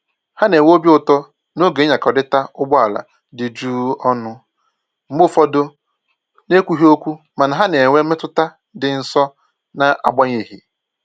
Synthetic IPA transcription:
ha˦ne˨ŋʷ˦o˦bi˦ʊ˨tɔ˦ | no˦ɡe˨˦ɲa˨kɔ˨dɪ˦ta˦ʊ˦ɡ͡bɔ˦a˨la̰˨ | dɪ˨d͡ʒuː˦ɔ˦nʊ˦ | m̩˨˦bʊ˦fɔ˦do˦ | ne˦kʷu˦ɦi˦o˦kʷu˦ | ma˨na˨ɦa˦ne˨ŋʷe˦me˦tʊ˦ta˦ | dɪ˨n̩˨sɔ˦ | na˨ʔa̰˨ɡ͡ba˦ɲe˨ɦi˨

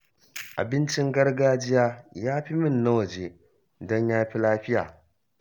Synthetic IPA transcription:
ʔa̰˨bɪ˦nt͡ʃɪ˦ŋɡɐ˦rɡaː˦d͡ʒɪ˦jaː˦jaː˦ɸi˦mɪ˦˨nːɐ˦wɐ˨d͡ʒe˦ | dɔ˦ɲjaː˦ɸi˦laː˦ɸɪ˦ja̰ː˨

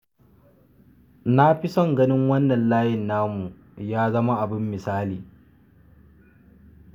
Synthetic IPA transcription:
na˦ɸɪ˦sɔ˦ŋɡɐ˦nɪ˦ŋwɐ˦nːɐ˨nlaː˦jɪ˨nːaː˦mu˨ | jaː˦zɐ˦ma˦ʔa˨bɪ˦mːɪ˨saː˦liː˨

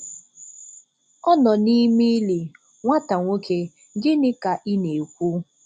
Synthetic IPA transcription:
ɔ˦nɔ˨ni˦mi˦li˨ | ŋʷa˦ta˨ŋʷo˦kʰe˦ | dɪ˦nɪ˦ka˨ʔɪ˦ne˨kʷu˦

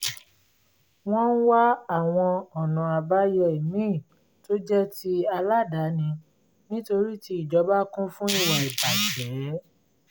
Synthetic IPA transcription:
w̃ɔ̃˦n̩˦wa˦a˦˨w̃ɔ̃˧ɔ˨nã˨a˧ba˦jɔ˧˦i˨mĩ˦˨ | to˦d͡ʒɛ˦ti˦a˧la˦da˨˦nĩ˧ | nĩ˦to˧ɾi˦ti˧˦i˨d͡ʒɔ˨˦ba˦kũ˦fũ˦i˦˨wa˨i˨ba˨d͡ʒɛ˨˦

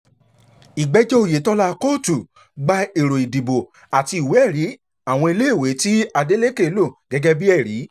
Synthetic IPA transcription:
i˨ɡ͡bɛ˨˦d͡ʒɔ˦o˨je˨˦tɔ˧la˦˧ko˦˨tu˨ | ɡ͡ba˦˧e˨ɾo˨i˨di˨bo˨ | a˨ti˧i˨we˨˦ɛ˦˨ɾi˨˦ | a˦˨w̃ɔ̃˧i˧le˦i˦˨we˨˦ti˦a˧de˦le˦ke˦˨˦lo˦˨ɡ̥ɛ˨˦ɡɛ˦bi˦ɛ˦˨ɾi˨˦

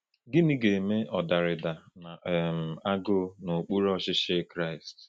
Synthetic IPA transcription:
ɡɪ˦ni˦ɡe˨me˦ʔɔ˨da˨ɾɪ˨da˨na˨m̩˨a˦ɡʊ˦no˨k͡pu˦ɾɔ˦ʃɪ˦ʃe˦kɾa˦˨ɪ˨st

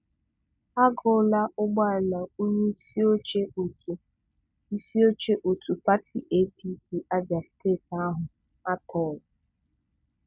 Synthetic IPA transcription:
a˦ɡɔ˨˦˨la˦ʔʊ˦ɡ͡ba˦˨ɾla˨o˦ɲe˦o˦t͡ʃe˦o˨u˨ | i˦si˦o˦t͡ʃe˦ʔo˨tʰu˨pa˦tʰi˨ʔe˦pʰi˦si˨ʔa˦d͡ʒa˨steː˦˨ta˦ɦʊ˨ | a˦tʰɔ˨l

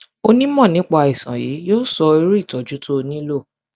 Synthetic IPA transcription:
o˧nĩ˦mɔ̃˦˨nĩ˨˦k͡pa˧i˨sã̰˨jḭː˨˦joː˦sɔ˧i˧˦ɾu˦i˦˨tɔ˨d͡ʒu˨˦to˦˧nĩ˦lo˦˨

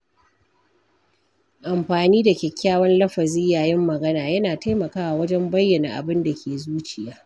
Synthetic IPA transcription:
ʔa˨mɸaː˨niː˦da˨kʲɛ˨kʲːaː˦wɐ˦nlɐ˦ɸɐ˨zɪ˦jaː˨jɪ˦mːɐ˨ɡɐ˦naː˨jɐ˦naː˨ta˦jmɐ˨kaː˦wa˨wɐ˦d͡ʒɛ˦mbɐ˦jːɐ˨na̰˨ʔa̰˨bɪ˦nda˨kʲʰeː˨zuː˦t͡ʃɪ˨jaː˦

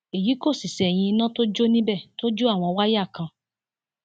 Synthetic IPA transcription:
e˨ji˨˦ko˦˨si˨sɛ˨j̃ĩ˧i˧nã˦to˦d͡ʒo˦nĩ˦bɛ˦˨to˦d͡ʒu˦a˦˨w̃ɔ̃˧wa˦ja˦˨kã˧

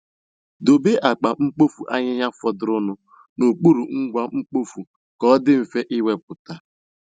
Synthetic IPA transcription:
do˨be˦ʔa˨k͡pa˨ŋ͡m̩˦k͡po˦fu˨ʔa˦ɲɪ˦ɦa˦fɔ˨dʊ˨ɾʊ˦nʊ˦ | no˨k͡pu˦ɾu˨ŋ̩˦ɡʷa˦ŋ͡m̩˦k͡po˦fu˨ | kɔ˦dɪ˦m̩˨fe˦ʔɪ˦we˨p̚ʊ˨ta˨

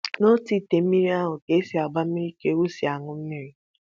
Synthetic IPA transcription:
no˦ti˦te˨m̩˦mi˦ɾi˦a˦ɦʊ˨ke˦si˨a˨ɡ͡ba˦m̩˦mi˦ɾi˦ke˦wu˦si˨a˨ŋʊ˦m̩˦mi˦ɾi˦

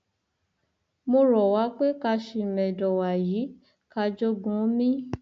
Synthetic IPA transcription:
mo˧ɾɔ˨wa˨˦k͡pe˦ka˧ʃi˧˨mɛ̃˨dɔ˨wa˨jiː˨˦ | ka˧d͡ʒo˦ɡũ˦mĩ˦

